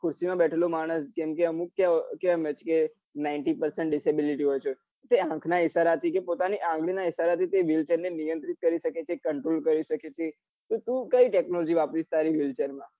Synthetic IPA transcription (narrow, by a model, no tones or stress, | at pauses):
kʰʊɾsimãbɛʈʰelomaɽ̃əskɛmkeəmũkkjãkãmet͡ʃʰe̥ke | naɪɳʈipəɾsɛɳʈ̚ɖɪsebiliʈiɦojt͡ʃʰe | t̪eãkʰnaɪʃaɾat̪ʰikepot̪aniʔãŋɡɭinaɪʃaɾat̪ʰit̪eʋilt͡ʃeɾnenijə̃nt̪ɾit̪̚kəɾiʃəket͡ʃʰekəɳʈɾolkəɾiʃəket͡ʃʰe | t̪ot̪ũkəiʈɛknolod͡ʒiʋapɾit͡ʃʰt̪aɾiʋilt͡ʃeɾmã